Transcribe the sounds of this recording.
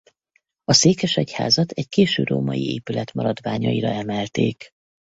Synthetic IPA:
ɒseːkɛʃɛcha̰ːzɒt̪ɛckeːʃøːroːmɒjieːpylɛt̪mɒɾɒd̪ʋaːɲɒiɾɒɛmɛlt̪eːk

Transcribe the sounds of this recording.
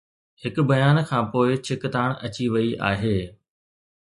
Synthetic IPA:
hɪkʊbɐjaːnkʰãːpoːɪt͡ɕʰɪkt̪aːɽɐt͡ɕiʋɐiʔa̰ːɦeː

